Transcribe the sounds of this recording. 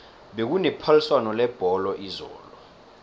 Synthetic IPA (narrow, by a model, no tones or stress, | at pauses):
ɓek̬unɛpʰaliswanɔlɛb̥ʱɔlɔʔizɔ̰ːlɔ